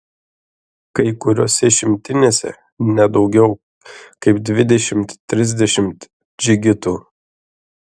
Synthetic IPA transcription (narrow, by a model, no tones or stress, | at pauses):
kɐɪkʊɾʲoːsʲɛʃʲɪmʲt̪ʲɪnʲeːsʲɛ̰ | nʲɛd̪ɒʊɡʲɛʊ | kɐɪpd̪ʲʋʲɪd̪ʲɛʃʲɪmt̪ʲːɾʲɪzʲd̪ʲɛʃʲɪmt̪ | d͡ʒʲɪɡʲɪt̪uː